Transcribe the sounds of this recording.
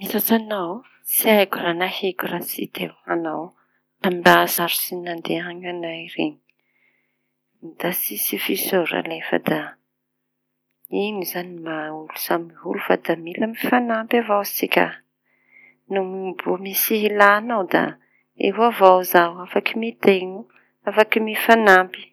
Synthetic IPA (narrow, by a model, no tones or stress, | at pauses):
misat͡sanaw | siajkʲuranahekurasḭt̪ʰewanaw | t̪ambasaɾusinand̪eaɲanaiɾeɲi̥ | d̪̥asisifisoɾa̰lefə̰d̪a | inizanimaulusamiɦṵlufad̪amilamifanampavawsikʲa̰ | numibumisiɦilaːnawd̪a̰ | ḛɦwavawzaafakimet̪enu | afakimifanampi̥